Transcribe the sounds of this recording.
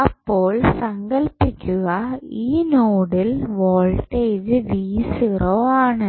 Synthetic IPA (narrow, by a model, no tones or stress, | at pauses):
ɐpːoːɭsɐŋɡɐɭpːikʲːuɣɐiːnoːɽɪlʋoːɭʈeːd͡ʒɨʋiːsiroaːɳɨ